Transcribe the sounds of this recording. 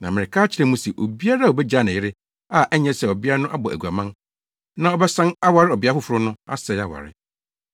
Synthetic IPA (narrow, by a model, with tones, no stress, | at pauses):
nã˨mɪ̃˨ɪ˨kʰaː˦t͡ɕʰɪ˦ɾɛ̃˦mũ˦sɛ˨ʔo˨bi˦a˦ɾa˦˨o˨bɛ˦d͡ʑa˦˨nɪ̃˨jɪ˦ɾɪ˦ | a˦˨ʔɛ˦ɲɛ̃˦sɛ˨ɔ˨bi˦a˦ɾa˦nʊ̃˦ʔa˦bɔ˨ʔæ̰˨ɡu˨a˨mã˦n | nã˦ɔ˦bɛ˦sã˦na˦wa˨ɾɪ˦ɔ˨bɪ˨˦a˦fʊ˦fʊ˨ɾʊ˦nʊ̃˦a̰˦sɛ˨ja˨wa̰˨ɾɪ̰˦